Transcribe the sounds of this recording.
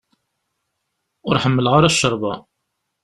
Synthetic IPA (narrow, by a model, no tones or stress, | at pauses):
ʊɾħəmːəlʁaɾaʃːəɾˤbɑ